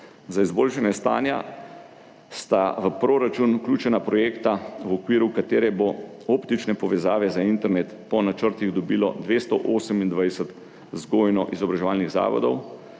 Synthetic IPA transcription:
zaizboːlʃanjɛst̪a̰ːnja̰ | st̪aʋəpɾoːɾat͡ʃunuklʲjuːt͡ʃɛnapɾɔjeːkt̪awɔkʋiːɾukat̪eːɾɛbo | opt̪it͡ʃnɛpɔʋɛzaːʋɛzaint̪ɛɾnet̪pɔnat͡ʃəɾt̪iɣd̪ɔbilɔ̰d̪ʋeːst̪ɔʔoːsəmind̪ʋajsət̪ | zɡoːjnɔʔizɔbɾaʒɛʋaːlniɣza̰ːʋɔ̰d̪ɔw

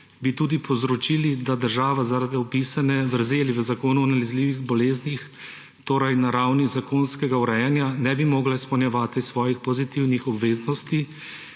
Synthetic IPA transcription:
bit̪uːd̪ipʰɔzɾɔt͡ʃilid̪ad̪əɾʒaːʋazaɾad̪iɔpisanɛʋəɾzeːliʋəzakoːnuɔnalɛzliːʋiɣbɔleːznix | t̪oːɾajnaɾawnizakoːnskɛɡauɾɛjanjanɛbimɔːɡlaispɛwnjɛʋaːt̪isʋɔːjixpɔzit̪iwnixɔbʋeːznɔst̪i

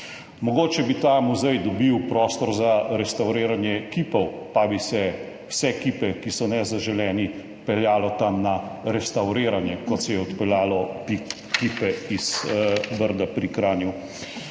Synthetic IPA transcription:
mɔɡoːt͡ʃɛbit̪amuzɛjd̪ɔbiwpɾɔːst̪ɔɾzaɾɛst̪awɾeːɾanjɛkiːpɔw | pabisɛ | wsɛkipɛkisɔnɛzaʒɛlɛːni | pɛljaːlɔt̪amnaɾɛst̪awɾeːɾanjɛkɔt̪sɛjɛɔt̪pɛljaːlɔpi | kipɛiz̥bəɾd̪apɾikɾaːnju

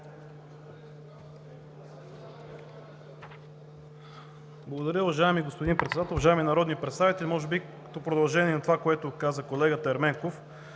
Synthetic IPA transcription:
blˠɐɡod̪ɐɾʲjəʊvɐʒaɛmiɡospod̪inpɾɛt̪sɛd̪at̪ɛlˠvɐʒaɛminɐɾɔd̪niəpɾɛt̪st̪avit̪ɛlʲimɔʒɛbi | ət̪ɔpɾod̪ɐlˠʒɛniɛnɐt̪ovakoɛt̪ʊkazəkolɛɡət̪əɛɾmɛŋkof

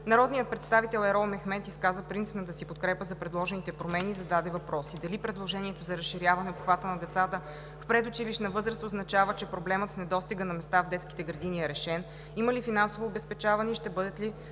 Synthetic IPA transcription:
nɐɾɔd̪nijət̪̚pɾɛt̪st̪avit̪ɛlˠɛɾɔlˠmɛxmɛt̪iskazəpɾint̪si̥pnɐt̪əsipot̪̚kɾɛpəzɐpɾɛd̪lˠɔʒɛnit̪ɛpɾomɛnizɐd̪ad̪ɛvɐpɾɔsid̪ɐlipɾɛd̪lˠoʒɛniɛt̪ozɐɾɐsʃːiɾjavɐnɛopxvat̪ənɐd̪ɛt̪sat̪ə | fpɾɛd̪ot͡ʃiliʃnɐvɤzɾəst̪oznɐt͡ʃavət͡ʃɛpɾoblɛmət̪snɛd̪ɔst̪iɡənɐmɛst̪avd̪ɛt̪ski̥t̪ɛɡɾɐd̪iniɛɾɛʃɛn | iməlifinansovoːbɛspɛt͡ʃavɐnɛiʃt̪ɛbɤd̪ɛt̪li

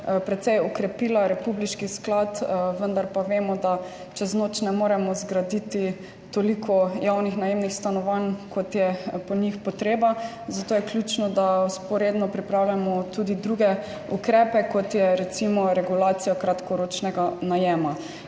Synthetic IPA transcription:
pɾɛt̪sɛjɔkɾɛpilaɾɛpubliʃkisklat̪ʋənd̪aɾpaʋeːmɔd̪a | t͡ʃɛznot͡ʃnɛmoːɾɛmɔzɡɾad̪it̪i | t̪olikʰɔjawnixnajemnixst̪anɔʋankʰɔt̪jɛpɔɲixpɔt̪ɾeːba | zat̪oːjɛklʲjut͡ʃnɔd̪awspɔɾed̪nɔpɾipɾawlamɔt̪ud̪id̪ɾuɡɛ | ukɾɛːpɛkɔt̪jɛɾɛt̪simɔɾɛɡulaːt̪sijakɾat̪kɔɾot͡ʃnɛɡanajɛːma

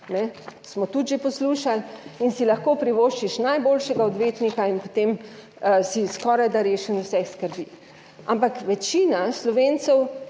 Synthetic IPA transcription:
nɛsmɔt̪ut̪ʒeposluːʃalinsilaxkopɾiʋoʃt͡ʃiʃnajboːlʃɛɡaɔd̪ʋeːt̪nikainpot̪em | siskɔːɾajd̪aɾeːʃənusɛxskəɾbiː | ʔampakʋɛt͡ʃiːnaslɔʋeːnt̪sɔw

